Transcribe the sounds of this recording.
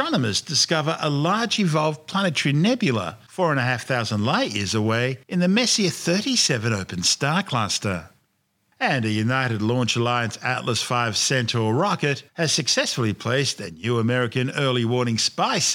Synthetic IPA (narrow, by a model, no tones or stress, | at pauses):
ɹ̥ɑnəmɨsd̥ɨskʌvə˞ʔəlɑɹd͡ʒɨvɑlˠvpʰl̥ænɨtʰɹ̥inɛbjɨl̩ˠə̰fɔɹɨ̃nɨɦæfθaʊzə̃ndˡlaɪʔjɪ̰ɹzəweɪʔɨ̃nðɨmɛsiʌv̥θɜ˞ɾisɛvɨ̃noʊpɨ̃n̩stɑɹkʰl̥æstə̰˞ | ɨ̃nɨjʉnaɪɾɨdˡlɔ̃nt͡ʃəlaɪɨ̃nsæ̰ʔˡləsfaɪv̥sɛ̃ntʰə˞ɹɑkɨt̚hɨz̥sɨksɛsfl̩ˠipʰl̥eɪstɨnjʉəmɛɹɨkɨ̃nɜ˞lˠiwɔɹñɪ̃ŋspaɪs